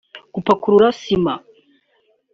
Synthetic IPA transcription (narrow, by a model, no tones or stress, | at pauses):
kupakuɾuɾasima